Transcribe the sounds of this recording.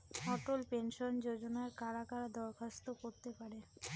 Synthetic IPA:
ɦɔʈolpenʃond͡ʑod͡ʑonaeɾkaɾakaɾad̪ɔɾkʰast̪okoɾt̪epaɾe

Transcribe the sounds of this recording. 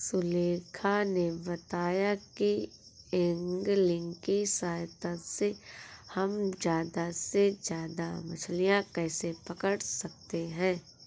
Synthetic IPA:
sʊleːkʰanebɐt̪aːjaki | ɪ̃ŋɡlɪ̃ŋɡkisaːjt̪ãsehɐmzjaːd̪ased͡ʒjaːd̪amɐt͡ʃʰlijãkɛːsepɐkəɽsɐk̚t̪eɦɛ̃ː

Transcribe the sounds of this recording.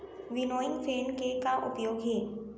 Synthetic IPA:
ʋɪnoːɪ̃ŋɡfeːnkekaʔʊpjoːɡɦɛː

